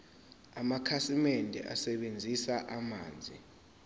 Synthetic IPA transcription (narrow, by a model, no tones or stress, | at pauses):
amakʰasimɛndʱɛ̰ʔa̰sɛɓend͡zʱisaʔama̰ːnd͡zʱḭ